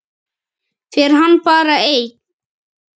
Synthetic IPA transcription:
fɪɾɪɾɦanːpaːɾaeːjk

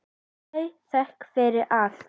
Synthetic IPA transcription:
jθɛhkfɪɾɪɾʔal

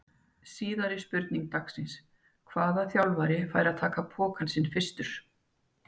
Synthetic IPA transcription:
siːðaɾɪspʏɾt̪niŋk̚t̪aksɪns | kʰvaːðaθjawlvajɾɪfaːjɾaðt̪ʰaːkapʰɔːkansɪnːfɪ̥st̪ʏɾ̥

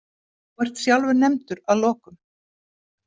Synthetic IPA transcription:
vaɾ̥t̪sjawlvʏɾnɛmt̪ʏɾaðlɔːkʏm

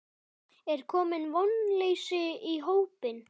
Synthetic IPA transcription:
ɛɾ̥kʰɔːmɪnvɔnleːjsʏiɦoːwpɪn

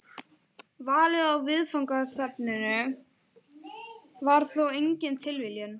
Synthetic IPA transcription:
vaːlɪðawvɪðfawŋkast̪apnɪnʏ | vaɾ̥θowejɲcɪnt̪ʰɪlvɪljʏn

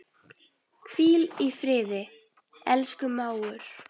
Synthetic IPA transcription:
kʰv̥iːlifɾɪːðɪ | ɛlskʏmaːwʏɾ̥

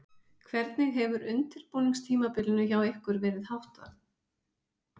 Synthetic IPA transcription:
kʰvɛɾt̪nɪɣɦɛvʏɾʏnt̪ɪɾ̥powniŋst̪ʰiːmapɪlɪnʏçawehkʏɾvɛːɾɪðhawht̪a

